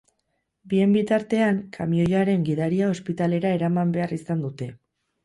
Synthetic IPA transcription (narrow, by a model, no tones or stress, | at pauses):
bie̞mbit̪aɾt̪e̞aŋkʰamio̞jaɾe̞ŋɡiðaɾiao̞spit̪ale̞ɾae̞ɾamambe̞arisand̪ut̪e̞